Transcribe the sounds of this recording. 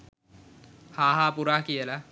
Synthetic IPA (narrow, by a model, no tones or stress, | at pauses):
haːɦaːpuɾaːkijəla